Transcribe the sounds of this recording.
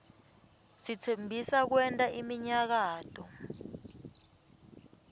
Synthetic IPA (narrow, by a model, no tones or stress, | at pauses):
sit͡sʰembʱisak̬wɛntʼaʔimiɲak̬aːtʰʼɔ